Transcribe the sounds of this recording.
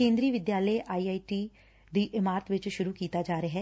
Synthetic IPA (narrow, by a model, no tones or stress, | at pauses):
kẽːnd̪ɾiːʋɪd̪jaːleʔaːiːaːiʈiː | d̪iːʔɪmaːɾət̪ʋɪt͡ʃʃʊɾuːkiːt̪aːd͡ʒaːɾeaɦɛː